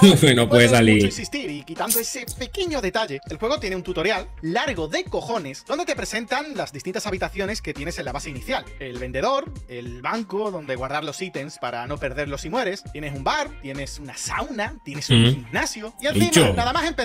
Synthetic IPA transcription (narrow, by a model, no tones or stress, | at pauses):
nopweðesalieksist̪iɾikit̪and̪oese̞pe̞ke̞ɲo̞ðe̞t̪aʝe̞elxwe̞ɣ̞o̞t̪je̞neunt̪ut̪o̞ɾjalːaɾɣo̞ðe̞ko̞xo̞ne̞sðo̞nd̪e̞t̪e̞pɾe̞sẽ̞nt̪aŋlazðist̪int̪asaβit̪aθjo̞ne̞ske̞t̪je̞ne̞se̞nlaβase̞iniθjale̞lβe̞nd̪e̞ðo̞ɾe̞lβaŋkoðo̞nd̪e̞ɣwaɾðaɾlo̞sit̪e̞nspaɾano̞pe̞ɾðe̞ɾlo̞simwe̞ɾe̞sje̞ne̞sumbaɾt̪je̞ne̞sunasawnat̪je̞ne̞suŋximnasjoiaimt͡ʃonaðamasempe